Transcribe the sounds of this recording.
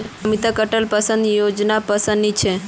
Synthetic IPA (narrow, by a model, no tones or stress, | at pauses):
mit̪akəʈəlpəsə̃nd̪jod͡ʒnapəsə̃nnit͡ʃʰe